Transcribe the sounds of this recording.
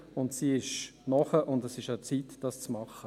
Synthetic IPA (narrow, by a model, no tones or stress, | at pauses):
ʊntsiːɪʃnɔχəʔʊndɛsɪʃaʊt͡sitd̥ɑst͡smɑχə